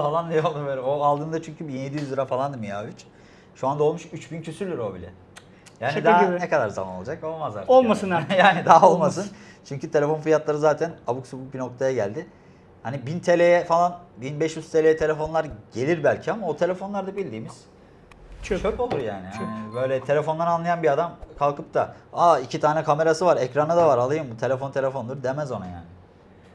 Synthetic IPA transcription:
falˠand̪ijolˠd̪ubølʲɛoalˠd̪ɯnd̪at͡ʃʰyɲcʰybinje̞d̪ijyzlɯɾafalˠand̪ɯmijaːvit͡ʃ | ʃuand̪ao̞lˠmuʃyt͡ʃbincʰøsyɾld̪ʲyɾo̞bilʲɛ̰ | jaːnid̪nɛkad̪aɾza̰mano̞lˠad͡ʒako̞lˠmazlˠa̰ɾolˠmasɯnajaːnid̪aɦaolˠmasɯnt͡ʃʰyɲcʰyt̪ʰe̞lʲe̞fo̞nfijat̪lˠaɾɯzaːt̪ʰænabuksubuk̚bino̞k̚t̪ʰajaɟælʲd̪ɪ | hanibint̪ʰe̞lʲejɛfalˠanbinbɛʃjyz̥t̪ʰe̞lʲejɛt̪ʰe̞lʲe̞fo̞nlˠaɾɟe̞lʲiɾbælʲcʰiamaot̪ʰe̞lʲe̞fo̞nlˠaɾd̪abilʲd̪iːmiz̥ | t͡ʃʰot͡ʃʰokolˠuɾja̰ːnihanibø̞jlʲɛt̪ʰe̞lʲefo̞nlˠaɾanlˠajanbiad̪amkʰalˠkʰɯp̚t̪ʰa̰aːicʰit̪ʰaːnɛkʰame̞ɾasɯvaɾɛcɾanad̪avaɾalˠɯjɯmbut̪ʰe̞lʲefo̞nt̪ʰe̞lʲe̞fo̞nd̪uɾd̪e̞mæzonaja̰ːnɪ

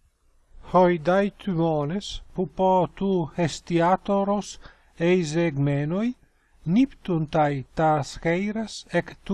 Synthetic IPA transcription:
hojd̪ajt̪ʰymɔnespupɔt̪uhest̪iat̪oɾos | ejzeɡmɛnoj | nipt̪unt̪ajt̪asxejɾasekt̪u

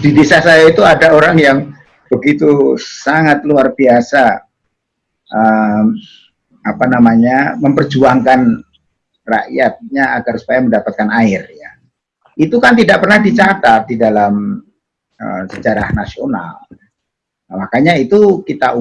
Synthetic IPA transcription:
d̥idesasajait̪uadaoɾaŋjaŋ | bəɡit̪usaŋat̪̚luarbiasa | ʔə | apanamaɲaməmpərd͡ʒuaŋkan | ra̰ʔjat̪̚ɲaaɡarsu̥pajaməndapat̪̚kanaɪrja | it̪ukant̪idaʔpərnahdit͡ʃat̪at̪̚didalam | ə̰sə̥d͡ʒaɾa̰hnasiona̰l | makaɲait̪ukit̪aʔu

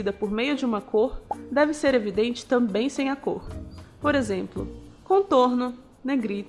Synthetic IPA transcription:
id̪ɐpoɾmejʊd͡ʒɪũmɐkʰoɾd̪ɛvɪseɾevid̪ẽnt͡ʃɪ̥t̪ɐ̃mbẽj̃sẽj̃ako̰ɾpoɾezẽmplʊ̰kõt̪oɾnʊ | neɡɾi

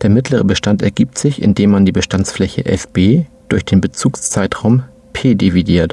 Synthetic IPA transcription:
d̥eːɐmɪtʰləʁ̞əbəʃtantɛ̰ɐɡiːp̚tz̥ɪçɪ̰ndeːmːandiːbəʃtant͡sflɛçə̰ʔɛ̰fb̥eːd̥ʊɐçd̥eːnbət͡suːkst͡saɪtʁ̥aʊm | pʰeːdevidiːɐt

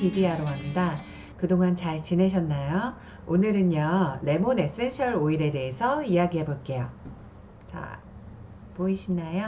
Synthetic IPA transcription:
idiaɾoɦamɲida | kɯdoŋant͡ɕaɭt͡ɕine̞ɕ̬ʰʌnːajo | onɯɾɯnjʌle̞mone̞s͈enɕʰʌɾoiɾe̞de̞ɦesʰʌiaɡiɦe̞boɭk͈e̞jo | t͡ɕa̰ | poiɕʰinajo

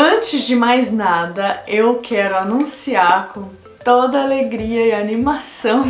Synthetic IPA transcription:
ɐ̃t͡ʃɪzd͡ʒɪmajznad̪ɐewkʰɛɾʊanũsiaɾkõ | t̪od̪ɐaleɡɾiɐɪanĩmasɐ̃w̃

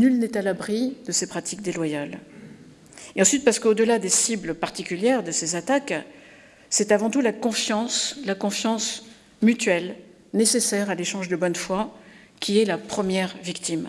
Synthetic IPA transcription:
nylnɛt̪alabʁid̪əsepχat̪ʰik̚d̪elwajal | eɑ̃sɥit̪̚paʁsə̥kod̪əlad̪esibləpaʁt̪ikʲyljɛʁd̪əsezat̪ak | sɛt̪avɑ̃t̪ulakɔ̃fjɑ̃slakɔ̃fjɑ̃s | myt̪ɥɛl | nesesɛʁaleʃɑ̃ʒd̪əbɔnfwa | kʲiɛlapχəmjɛʁvikt̪im

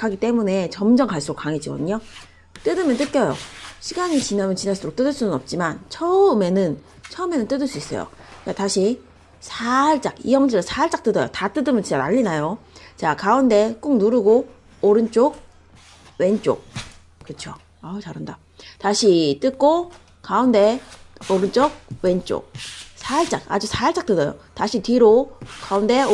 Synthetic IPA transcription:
kʰaɡit͈e̞mune̞t͡ɕʌmd͡ʑʌŋkaɭs͈uɾokaŋed͡ʑiɡʌ̰dɯɲo | t͈ɯdɯmjʌnt͈ɯt̚k͈jʌjo̰ɕʰiɡaɲit͡ɕinamjʌnt͡ɕinaɭs͈ɯɾok̚t͈ɯdɯɭs͈unɯnʌp̚t͡ɕ͈imant͡ɕʰʌɯme̞nɯn | t͡ɕʰʌɯme̞nɯnt͈ɯdɯɭs͈uis͈ʌ̰jo̰k͈ataɕʰi | sʰaɭt͡ɕ͈akḭjʌŋd͡ʑɯɾɯsʰaɭt͡ɕ͈ak̚t͈ɯdʌjo̰tat͈ɯdɯmjʌnt͡ɕit͡ɕanaʎːinajot͡ɕakaunde̞k͈uŋnuɾɯɡo | oɾɯnt͡ɕ͈ok̚ | we̞nt͡ɕ͈o̰k̚ | kɯt͡ɕʰo | at͡ɕaɾɯnda | taɕʰit͈ɯk͈o | kaunde̞oɾɯnt͡ɕ͈ok̚we̞nt͡ɕ͈o̰k̚sʰaɭt͡ɕ͈ak̚a̰d͡ʑusʰaɭt͡ɕ͈ak̚t͈ɯdʌjo̰taɕʰitwiɾokaunde̞

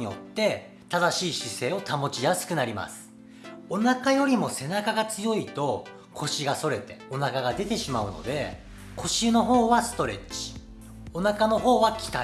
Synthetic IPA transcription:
ijo̞̰t̪ːe̞ | t̪ad̪aɕiːɕise̞ːo̞t̪amo̞t͡ɕijasɨ̥kɯ̟naɾʲima̰sɨ̥ | o̞nakajo̞ɾʲimo̞se̞nakaɡat͡sɨjo̞it̪o̞ | kʰo̞ɕiɡaso̞ɾe̞t̪e̞o̞nakaɡad̪e̞t̪e̞ɕimaɯ̟no̞̰d̪e̞̰ | kʰo̞ɕɯno̞ɦo̞ːβasɨ̥t̪o̞ɾe̞̰t͡ɕi̥ | o̞nakano̞ɦo̞ːβakʲi̥t̪a

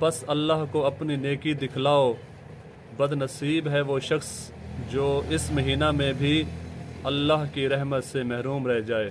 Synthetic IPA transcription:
pɐsɐlːaːɦkoɐpnineːkid̪ɪkʰlaːo | bɐd̪nɐsiːbɦɛʋoʃɐxs | d͡ʒoːɪsmɐɦiːnamẽbʱi | ɐlːaːɦkiɾɛɦmət̪semɛɦɾuːmɾɛɦd͡ʒaːeː

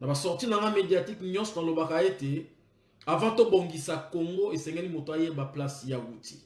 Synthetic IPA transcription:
nabasɔʁtinaŋɡamediatikɲɔ̃sɔnalobakaete | avãtoboŋɡisakoŋɡoesɛŋɡɛlimotoajebaplasjawuti̥̰

